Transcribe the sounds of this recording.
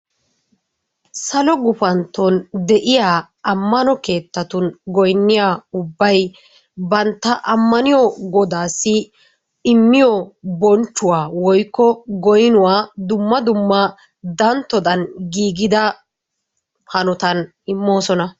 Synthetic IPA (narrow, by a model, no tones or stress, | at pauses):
sɐlɔɡʊfɐnt̪ːɔnd̪ɛʔɪjaː | ɐmːɐnɔke̞ːt̪ːɐt̪ʊnɡɔjnːɪjaːʊbːɐj | bɐnt̪ːɐʔɐmːɐnɪjɔɡɔd̪aːsːɪ | ɪmːɪjɔbɔnt͡ʃːʊwaːwɔjkːɔɡɔjɪnʊwaːd̪ʊmːɐd̪ʊmːɐ | d̪ɐnt̪ːɔd̪ɐnɡiːɡɪd̪ɐ | hɐnɔt̪ɐn | ɪmːo̞ːsɔnɐ